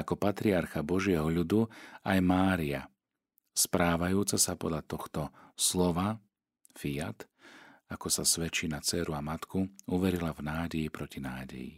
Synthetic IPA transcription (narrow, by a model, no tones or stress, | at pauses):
akɔpat̪ɾiaɾxabɔʒɪɛɦɔʎud̪uajmaːɾia̰ | spɾaːʋajuːt͡sasapɔd̪ʎat̪ɔxt̪ɔslɔʋa | fiat̪ | akɔsasʋɛt͡ʃinat͡sɛːɾuamat̪kuuʋɛɾilavnaːɟɛipɾɔcinaːɟɛ̰jḭ